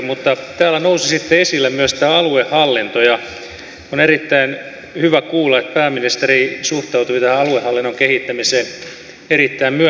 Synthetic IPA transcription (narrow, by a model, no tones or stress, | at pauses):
mut̪ːɑt̪æːlːænousisit̪ːeesilːæmyøst̪æːɑluehhɑlːint̪ojɑ | onerit̪ːæin | hyʋækuːlːɑet̪̚pæːmːinist̪erisuht̪ɑut̪uit̪æhæɑluehɑlːinːoŋkehit̪ːæmiseːn | erit̪ːæimmyø